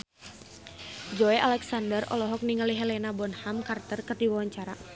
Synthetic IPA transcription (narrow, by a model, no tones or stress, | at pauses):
d͡ʒɔɛʔalɛksandərɔ̰lɔɦɔk̚niŋaliɦɛlɛnabɔnhamkart̪ərkɨrdiwawaɲt͡ʃaɾa̰